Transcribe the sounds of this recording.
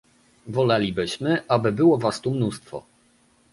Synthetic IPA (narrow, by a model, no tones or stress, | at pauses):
vɔlalʲibɘɕmɘʔabɘbɘwɔvast̪umnust̪fɔ̰